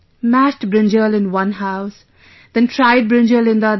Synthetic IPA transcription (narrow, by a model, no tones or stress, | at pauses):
mæʃʈbɾɪ̃nd͡ʒəlɪ̃nwʌ̃nɦaʊs | d̪̥ɛ̃ntʰɾaɪd̚bɾɪ̃nd͡ʒəlɪ̃nd̪ə